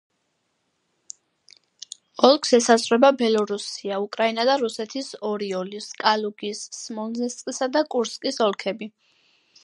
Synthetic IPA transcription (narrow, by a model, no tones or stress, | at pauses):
ɔlˠkʰsɛsazʁɾɛbabɛlˠɔɾusiaukʼɾainad̪aɾusɛt̪ʰisɔɾiɔliskʼaluɡisːmɔlzɛst̪ʼqʼisad̪akʼuɾskʼisɔlˠkʰɛbi